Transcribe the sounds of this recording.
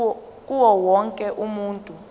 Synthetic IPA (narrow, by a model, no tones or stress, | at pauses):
uwɔwɔŋkʼɛʔumuːntʼu